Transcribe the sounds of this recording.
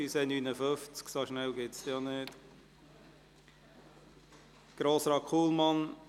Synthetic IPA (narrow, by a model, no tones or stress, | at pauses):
ysɛnyːnəføft͡sksoʃnɛlɡɪtsjɑneːd | ɡ̥ɾoːsɾɑkʰuːlmɑn